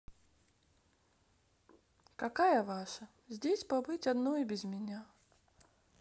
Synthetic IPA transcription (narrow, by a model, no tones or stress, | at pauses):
kɐkajəvaʂə | zʲdʲesʲpɐbɨtʲɐd̪noibʲɪzmʲɪnʲa